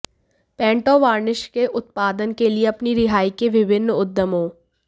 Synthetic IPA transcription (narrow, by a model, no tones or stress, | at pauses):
pɛ̃ːɳʈoːʋaːɾnɪʃkeʔʊt̪̚paːd̪ənkelieɐpniɾɪɦaːikeʋɪʋɪnːʊd̪ːəmɦoː